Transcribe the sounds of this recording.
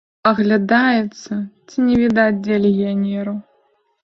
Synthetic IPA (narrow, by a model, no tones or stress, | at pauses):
ɐɣlʲad̪ajɛt̪sːɐt͡sʲinʲɛvʲid̪ad͡zʲdʲelʲɪɣʲijanʲɛɾu